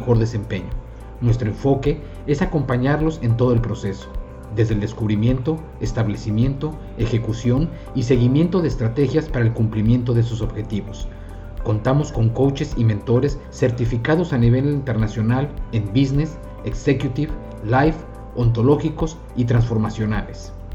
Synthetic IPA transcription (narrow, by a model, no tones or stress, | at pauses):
xo̞ɾðe̞se̞mpeɲo | nwe̞st̪ɾo̞e̞ɱfo̞ke̞ | esako̞mpaɲaɾlo̞se̞nt̪o̞ðo̞elpɾo̞se̞so̥ | d̪e̞zðeld̪e̞skuβɾimje̞nt̪o̞ | est̪aβle̞simjẽ̞nt̪o̞ | e̞xe̞kusjo̞n | ise̞ɣimje̞nt̪o̞ðeːst̪ɾat̪e̞xjaspaɾaelkumplimje̞nt̪o̞ðesoso̞βxe̞t̪iβo̞s | ko̞nt̪amo̞sko̞ŋko̞wt͡ʃe̞simẽnt̪o̞ɾe̞sːe̞ɾt̪ifikaðo̞saniβe̞lint̪e̞ɾnasjo̞nale̞mbizne̞s | ekse̞kjut̪iβ | lajf | o̞nt̪o̞lo̞xiko̞s | it̪ɾansfo̞ɾmasjo̞nales